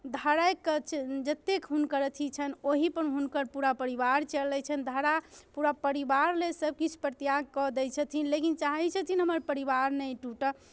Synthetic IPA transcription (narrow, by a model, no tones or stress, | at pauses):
d̪ʱəɾajkt͡ʃd͡ʒət̪ːekɦunkəɾət̪ʰit͡ʃʰənoɦipənɦunkəɾpuɾapəɾibaɾt͡ʃəlːɛt͡ʃʰənd̪ʱəɾapuɾapəɾibaɾlesəb̚ʱkit͡ʃʰu̥pɾət̪jaɡ̚kɔd̪ɛjt͡ʃʰət̪ʰinlekint͡ʃaɦɛt͡ʃʰət̪ʰinɦəməɾpəɾibaɾnəjʈuʈə